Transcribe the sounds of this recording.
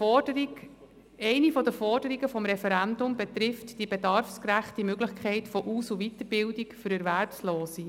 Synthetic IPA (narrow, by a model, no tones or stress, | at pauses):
ɛɪnifɔdəfɔrd̥əɾiɡəfɔmɾɛfɛɾændʊmbɛt̪ɾɪftd̥ibedɑɾfskɾæχtimøɡlɪχkʰχɛɪtfɔʔuːsuvit̪əɾbɪldikfʏɾɛɾvæɾpsloːsi